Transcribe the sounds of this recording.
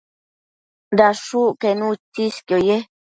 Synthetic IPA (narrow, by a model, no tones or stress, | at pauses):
d̪aʂukenut͡ʃiskjoje